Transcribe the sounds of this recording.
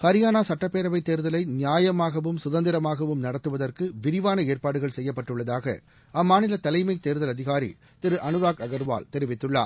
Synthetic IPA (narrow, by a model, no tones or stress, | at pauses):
kɐɾɪjaːnaːsɐʈːɐpːeːɾɐʋɐɪt̪ːeːɾðɐlɐɪnɪjaːjɐmaːɣɐʋɯmsʊðɐnd̪ɪɾɐmaːɣɐʋɯmnɐɽɐt̪ːɯʋɐðɐrkɯʋɪɾɪʋaːnɐeːrpaːɽɯɣɐɭsɛjːɐpːɐʈːɯɭːɐðaːɣɐ̰ | ʔɐmːaːnɪlɐt̪ɐlɐɪmɐɪt̪ːeːɾðɐlɐðɪɣaːɾḭ | t̪ɪɾɯʔɐnɯɾaːkɐɣɐɾʋa̰ːlt̪ɛɾɪʋɪt̪ːɯɭːa̰ː